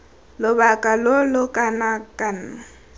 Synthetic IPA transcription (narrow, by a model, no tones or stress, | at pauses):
lʊbakʼalolʊkʼanakʼana